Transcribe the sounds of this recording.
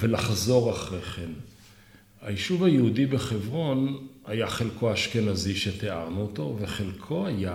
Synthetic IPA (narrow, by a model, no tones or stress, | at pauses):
ve̞laχzo̞ʁaχʁeχen | hajiʃuvajehudibeχevʁo̞nhajaχelkʰo̞aʃkenaziʃe̞t̪ea̰ʁnuot̪o̞veχelkʰo̞aja